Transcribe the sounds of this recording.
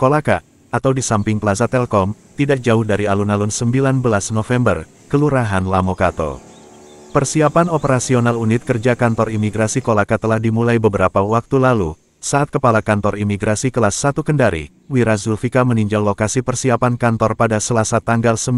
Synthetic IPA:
kolaka̰ː | t̪awdisampɪŋpəlasat̪ɛlkɔmt̪idak̚d͡ʒaʊhdaɾialunalunsəmbilanbəlasnofɛmbər | kəluɾaɦanlamokat̪o̰ | pərsiapanopəɾasionalunɪt̪̚kərd͡ʒakant̪ɔrimiɡɾasikolakat̪əlahdimulajbəbəɾapawak̚t̪ulalṵ | saʔat̪̚kəpalakant̪ɔrimiɡɾasikəlahsat̪ukəndaɾḭ | wiɾas̬ulfikaməniɲd͡ʒallokasipərsiapankant̪ɔrpadasəlasat̪aŋɡalsə

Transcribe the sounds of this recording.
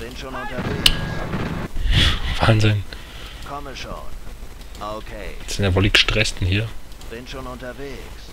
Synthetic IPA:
b̥ɪnʃonʊntɐve | v̥aːnzɪn | kʰɔməʃo̰ːn | ʔokʰez̥ɪnavoliçɡəʃtʁ̥ɛstn̩hiːɐb̥ɪnʃoːnʊntɐveːks

